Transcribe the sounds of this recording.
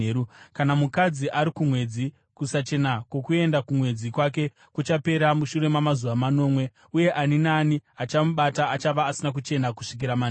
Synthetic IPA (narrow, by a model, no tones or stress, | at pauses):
ɾukanamukad͡ziʔaɾikumwe̞d͡zi | kusat͡ʃe̞nakwo̞kue̞ndakumwe̞d͡zikwak̬e̞ | kut͡ʃape̞ɾamuʃuɾe̞mamazuʋamano̞ːmwe̞ | uje̞ʔaninaːniat͡ʃamuɓataːt͡ʃaʋaːsinak̬ut͡ʃe̞nakuʂik̬iɾaman